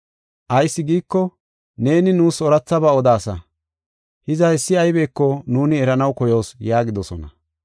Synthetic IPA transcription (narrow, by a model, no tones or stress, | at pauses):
ʔɐjsːɪɡiːkːɔ | ne̞ːnɪnuːsɔɾɐt͡sːɐbɐɔd̪aːsɐ | hɪzɐhɛsːɪɐjbe̞ːkːɔnuːnɪɛɾɐnɐwkɔjo̞ːsjaːɡɪd̪ɔsɔnɐ